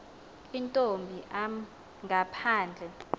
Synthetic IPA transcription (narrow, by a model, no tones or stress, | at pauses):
intʼombʱiʔa | ŋɡʱapʰaːnd͡ɮʱɛ